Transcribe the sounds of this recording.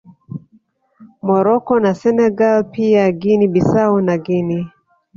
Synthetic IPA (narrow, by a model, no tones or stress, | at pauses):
mɔɾɔkɔnasɛnɛɡalpiaɡinibisaunaɡini